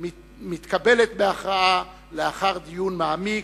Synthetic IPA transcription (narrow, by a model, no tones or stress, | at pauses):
mit̪kabe̞let̪beaχʁaa | leaχaʁd̪ijunmaami